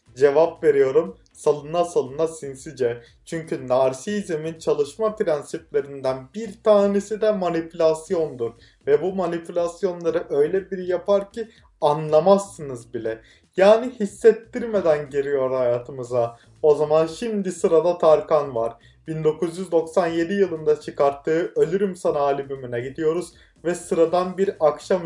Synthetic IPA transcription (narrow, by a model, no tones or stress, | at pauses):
d͡ʒe̞vapve̞ɾijo̞ɾum | salˠɯnasalˠɯnasinsid͡ʒɛ | t͡ʃʰyɲcʰynaɾsiːzimint͡ʃʰalˠɯʃmapɾænsiplʲe̞ɾind̪ænbiɾt̪ʰaːnesid̪ɛmanipʰylʲasjo̞nd̪uɾ | vɛbumanipʰylʲasjo̞nlˠaɾɯʔø̞jlʲɛbiɾijapʰaɾci | anlˠamasːɯnɯzbilʲɛ | jaːnihisːɛt̪ʰːiɾme̞d̪ænɟeɾijo̞ɾhajaːt̪ʰɯmɯza | o̞zamanʃimd̪isɯɾad̪at̪ʰaɾkʰanvaɾ | b̥ind̪o̞kʰuzjyzd̪o̞ksanje̞d̪ijɯlˠɯnd̪at͡ʃʰɯkaɾt̪ʰːɯːʔø̞lʲyɾymsanaaːlʲibymynɛɟid̪ijo̞ɾuz̥ | vɛsɯɾad̪anbiɾakʃam